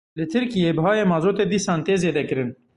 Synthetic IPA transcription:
lɨt̪ʰɨɾkijeːbɨɦɑːjeːmɑːzoːt̪eːd̪iːsɑːnt̪eːzeːd̪ɛkɨɾɨn

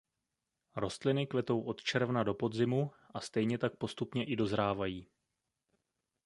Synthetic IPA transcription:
ɾo̞st̪lɪnɪklɛt̪o̞wʔo̞t̪t͡ʃɛɾvnado̞po̞d̪zɪmu | ʔast̪ɛjɲɛt̪ak̚po̞st̪upɲɛʔɪdo̞zɾaːvajiː

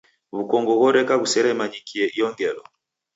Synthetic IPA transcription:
βukɔŋɡɔɣɔɾɛkaɣusɛɾɛmaɲikʰiɛʔiɔŋɡɛlɔ

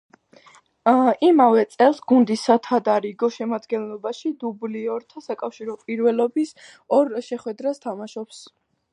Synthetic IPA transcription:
imavɛt̪sʼɛlˠsɡund̪isat̪ʰad̪aɾiɡɔʃɛmad̪ɡɛnlˠɔbaʃid̪ubliɔɾt̪ʰasakʼafʃiɾɔpʼiɾvɛlɔbis | ɔɾʃɛχwɛd̪ɾast̪ʰamaʃɔps

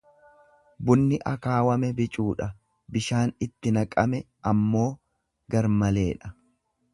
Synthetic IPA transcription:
bʊnːɪʔɐkaːwɐmɛbɪt͡ʃʼuːᶑɐ | bɪʃaːnɪt̪ːɪnɐkʼɐmɛ | ʔɐmːo̞ː | ɡɐɾmɐle̞ːᶑɐ

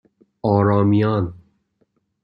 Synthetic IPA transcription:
ɒːɾɒːmijɒn

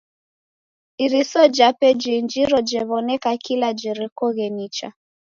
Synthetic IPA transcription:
iɾisɔd͡ʒapɛd͡ʒind͡ʒiɾɔd͡ʒɛβɔnɛkakilad͡ʒɛɾikɔɣɛnit͡ʃa̰

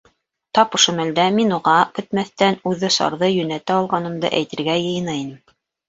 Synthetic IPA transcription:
t̪ɑpŏʃomæld̪æminuʁɑkɵ̆t̪mæθt̪ænʉðɘsɑ̰ɾðɤjɵ̆næt̪æɑlˠʁɑnɤ̆md̪ɤ̰ʔæjt̪ɘ̆ɾɡæjɤ̆jɤ̆nɤinɘm

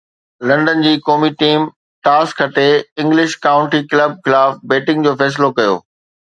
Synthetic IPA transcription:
lɐ̃ɳɖən̆d͡ʑiːkoːmiʈiːm | ʈaːskʰːɐʈeɪ̃ŋɡlɪʃkaːʊ̃ɳʈikləb̚xɪlaːfbeːʈɪ̃ŋɡd͡ʑoːfɛːs̬ɪlokɐjo̰ː

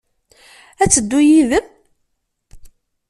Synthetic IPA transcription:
æt͡sːəd̪ːujiðəm

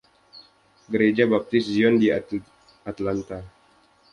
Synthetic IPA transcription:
ɡəɾed͡ʒabap̚t̪ɪsd͡ʒiɔndia | at̪lant̪a

